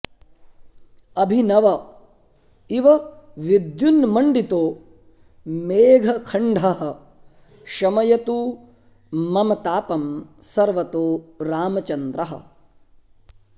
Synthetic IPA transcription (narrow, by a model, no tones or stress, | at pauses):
ɐbʱinɐʋɐ | iʋɐʋid̪junmɐɳɖit̪oː | meːɡʱɐkʰɐɳɖʱɐɦɐ̆ | ʃɐmɐjɐt̪u | mːɐmɐt̪aːpɐmsɐɾʋɐt̪oːɾaːmɐt͡ʃɐnd̪ɾɐɦɐ̰̆